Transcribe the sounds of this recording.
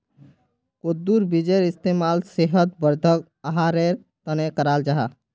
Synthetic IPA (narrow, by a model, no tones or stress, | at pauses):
kod̪uɾbid͡ʒeɾɪst̪emaːlseɦət̪̚bəɾd̪ʱək | əɦaɾeɾ | t̪ənekəɾaːld͡ʒaɦa